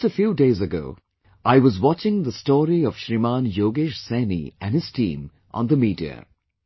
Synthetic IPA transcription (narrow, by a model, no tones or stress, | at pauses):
təfjuːdeɪzəɡo̰ʊ | ʔaɪwʌzwɑt͡ʃɪ̃ŋðəstɔːɾiɔv̥ʃɾimãːnjoːɡɪʃsæ̃nḭʔæ̃nɨz̥tʰḭ̃ːm | ʔə̰̃nðəmiːdiə̰